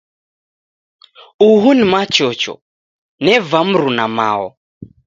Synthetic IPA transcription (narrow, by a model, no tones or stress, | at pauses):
uɦunimat͡ʃɔt͡ʃɔ̰ | nɛvam̩ɾunama̰ɔ̰